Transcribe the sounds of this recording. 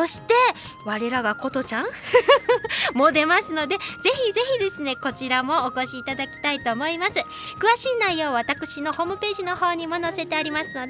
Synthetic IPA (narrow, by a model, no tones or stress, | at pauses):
so̞ɕi̥t̪e̞ | βaɾe̞ɾaɡako̞t̪ot͡ɕãŋ̃ | mo̞d̪e̞masɨno̞d̪e̞ze̞çʲize̞çid̪e̞sɨne̞ko̞t͡ɕiɾamo̞ːko̞ɕiːt̪ad̪akʲi̥t̪ait̪o̞ːmo̞imasɨ | kɯ̟βaɕiːnaijo̞ːβat̪akɯ̟̥ɕino̞ho̞ːmɯ̟pe̞ːʑino̞ho̞ːɲ̟imo̞no̞se̞t̪e̞aɾʲimasɨno̞d̪e